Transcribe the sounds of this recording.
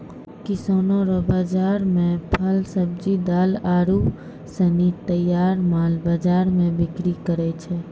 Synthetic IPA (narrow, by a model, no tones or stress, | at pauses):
kisoːnoɾobaːd͡ʒaːɾmẽpʰəlsəb̚d͡ʒid̪aːlaːɾu | sənit̪əjaːɾmaːlbaːd͡ʒaːɾmẽbɪkɾikəɾɛt͡ʃʰɛ